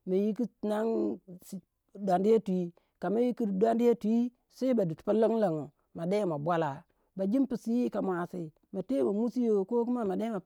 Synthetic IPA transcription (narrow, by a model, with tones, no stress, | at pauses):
ma˨ji˦ki˦˨na˦ŋsi˨ | da˨ndi˦ja˦tu˨i˦ | ka˨ma˦ji˦ki˦˨da˦ndi˦ja˦tu˨i˦ | sa˦i˦ba˨du˨tpa˦la˦ŋ˦la˨ŋ˨ | ma˨de˦ma˨bʷa˦la˨ | ba˨d͡ʒi˦mpi˨si˦ji˦ka˨mʷ˨a˨si˨ | ma˨te˦ma˨mu˦si˦jo˨ko˦k̬u˦ma˦ma˨de˦ma˨